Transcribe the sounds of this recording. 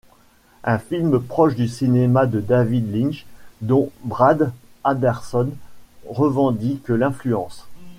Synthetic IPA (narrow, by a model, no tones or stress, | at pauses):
ɛ̃filmpχɔʃd̪ysinemad̪əd̪avid̪lĩnʃd̪ɔ̃bʁad̪ad̪ɛʁsɔnʁəvɑ̃d̪ikəlɛ̃flyɑ̃s